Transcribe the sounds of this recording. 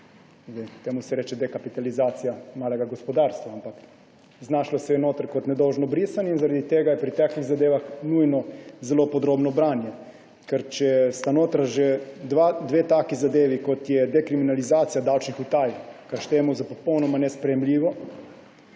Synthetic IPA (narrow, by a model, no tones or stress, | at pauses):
zd̪ɛjt̪emusɛɾeːt͡ʃɛd̪ɛkapit̪alizaːt̪sijamaːlɛɡaɡospɔd̪aːɾst̪ʋaampak | znaːʃlɔsɛjɛnoːt̪aɾkot̪nɛd̪ɔwʒnɔbɾisaninzaɾad̪it̪eːɡajɛpɾit̪aːkliɣzad̪eːʋaxnuːjnɔzɛlopɔd̪ɾoːbnɔbɾaːnjɛ | kɛɾt͡ʃɛɛst̪anoːt̪ɾaʒɛd̪ʋad̪ʋeːt̪aːkizad̪eːʋikot̪jɛd̪ɛkɾiminalizaːt̪sijad̪awt͡ʃnixut̪aːjkaɾʃt̪eːmuzapɔpɔwnɔmanɛspɾɛjɛmlʲiːʋɔ